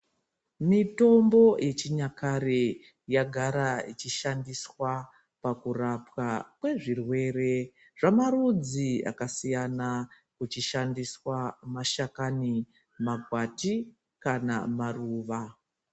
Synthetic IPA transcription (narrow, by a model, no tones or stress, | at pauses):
mito̞mbo̞jʔet͡ʃiɲakare | jaɡʱaɾait͡ʃiʃandiswa | pakurapwakwe̞ʐirwe̞ːre̞ | ʐ̥amaɾud͡zia̰kasijana | kut͡ʃiʃandiswamaʃakani | maɡʱwati | kana̰maruːʋa